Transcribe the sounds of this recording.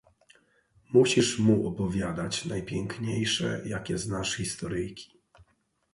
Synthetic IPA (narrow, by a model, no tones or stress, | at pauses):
muɕiʂmuʔɔpɔvʲjad̪at͡ɕnajpʲjɛŋkɲejʂɛ̰jakʲɛznaʂxʲist̪ɔɾɘjkʲi̥